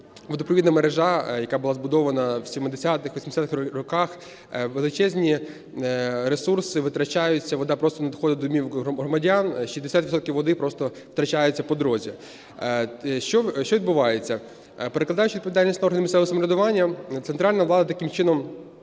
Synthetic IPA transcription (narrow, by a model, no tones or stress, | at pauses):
ʋʲid̪pɔʋʲid̪nɐmeɾeʒɑjɐkabʊlˠazbʊd̪ɔʋɐnɐwsʲimed̪esʲat̪ɪxʋɔsʲmd̪esʲat̪ɪɾɔkɑx | ʋelˠɪt͡ʃɛzʲnʲi | ɾesursɪʋɪt̪ɾɐt͡ʃajʊt͡sʲːɐʋɔd̪ɑpɾɔst̪ɔnɐd̪ɔxɔd̪ɐd̪ɔmʲiwɦɔɦɾɔmɐdʲanʃizd̪esʲat̪ʋʲsɔt̪̚kʲiwʋɔd̪ɪpɾɔst̪ɔʋt̪ɾɐt͡ʃajʊt͡sʲːɐpɔd̪ɾɔzʲḭ | ʃt͡ʃɔʃt͡ʃɔʋʲid̪̚bʊʋɑjet͡sʲːɐ | peɾeklˠɐd̪ɑjʊt͡ʃʲʋʲid̪pɔʋʲid̪alʲnʲisʲtnɐɔrɦɐnɪmʲɪsɛɔsɐmɔɾʲɛd̪ʊʋɑnʲːɐt̪sent̪ɾɑlʲnɐʋlˠɑd̪ɐt̪ɐkɪmt͡ʃɪnɔm